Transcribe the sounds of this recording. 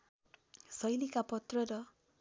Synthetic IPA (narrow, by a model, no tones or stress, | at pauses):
sʌjlikapʌt̪rʌɾʌ